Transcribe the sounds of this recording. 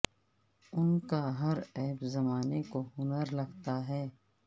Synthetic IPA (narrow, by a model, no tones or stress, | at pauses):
ʊnkaɦɐɾɛːbzɐmaːnekoɦʊnəɾlɐɡt̪aɦɛː